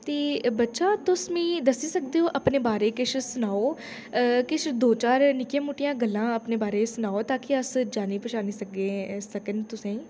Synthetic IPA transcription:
t̪eːbətːʃaːt̪ʊsmĩːd̪əsiːsək̚d̪eːoːʔəpneːbaːɾeːkɪʃsʊnaːoː | kɪt͡ʃd̪oːt͡ʃaːɾnɪkjãːmuːʈɪjãːɡəlːãːəpneːbaːɾeːsʊnaːoːt̪aːkɪəsd͡ʒaːniːpəʃaːniːsəkẽːsəkəɳɖt̪ʊsẽː

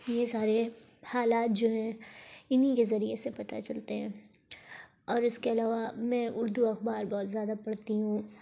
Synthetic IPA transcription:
jesaːɾehaːlaːt̪̚d͡ʒoːɦɛ̃ːɪnikezɐɾiesepɐt̪a̰t͡ʃɐlt̪eɦɛ̃ː | ɔːɾɪskeɐlaːʋamɛ̃ʔʊɾd̪uɐxbaːɾbɔːt̪zjaːd̪apɐɽt̪iɦũː

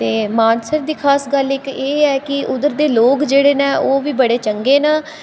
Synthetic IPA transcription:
t̪eːmaːnsəɾd̪iːkʰaːsɡəlɪkeːɛːkɪʊd̪əɾd̪eːloːkd͡ʒeːɽeːnãːʔoːʋiːbəɽeːt͡ʃəŋɡeːnaː

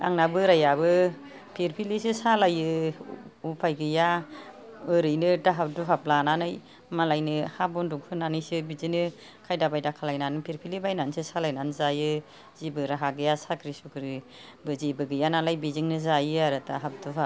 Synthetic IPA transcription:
a̰ŋnabɯɾajabɯ | pʰiɾpʰilisisalajɯ | upʰajɡɯja | ɯɾɯjnɯtaɦap̚duɦap̚lananɯj | malajnɯhabɔnduŋpʰɯnanɯjsɯbizinɯ | kʰajdabajdakʰalajnanɯpʰiɾpʰilibajnansɯsalajnanɯzajɯ | zibɯɾaɦaɡɯjasakʰɾisukɯɾi | bɯzibɯɡɯjananlajbiziŋnɯzajɯaɾɯtaɦap̚duɦa

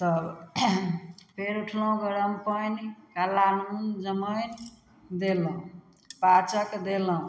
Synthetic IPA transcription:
t̪ʌ | pʰeɾuʈʰləũɡəɾəmpəjnikalanund͡ʒəməjn | d̪eləũ | pat͡ʃəkd̪eləũ

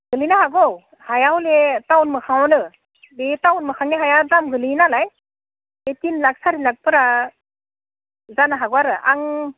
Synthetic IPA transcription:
ɡɯlinaɦaɡɔw | hajawletawnmɯkʰaŋwɔnɯ | betawnmɯkʰaŋniɦajadamɡɯlinalaj | etinlak̚saɾilak̚pɯɾa | zanaɦaɡwaɾɯa̰ŋ

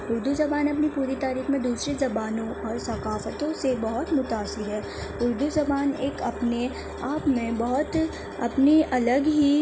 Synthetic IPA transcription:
ʊɾd̪uzɐbaːnɐp̬nipuːɾit̪aːɾiːxmẽd̪uːsɾezɐbaːnõʔɔːɾsɐkaːfət̪õsebɔɦʊt̪mʊt̪aːsɪɾɦɛː | ʊɾd̪uzɐbaːneːkɐpne | aːpmẽbɔɦʊt̪ | ɐ̰pneʔɐləɡɦi

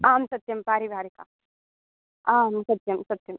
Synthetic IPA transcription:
aːmsɐt̪jɐmpaːɾibʱaːɾika | aːmsɐt̪jɐmsɐt̪jɐm

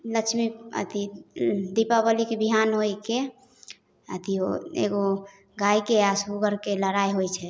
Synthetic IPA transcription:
lət͡ʃʰmiə̰t̪ʰid̪ipabəlikebiɦanɦojke | ə̰t̪ʰioḛɡo | ɡaikeasbuɡəɾkeləɽajɦojt͡ʃʰɛ

